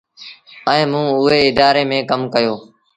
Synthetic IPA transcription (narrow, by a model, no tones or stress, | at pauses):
ɛ̃ːmũːʊɦeːɪd̪aːɾeːmẽːkəmkəjoː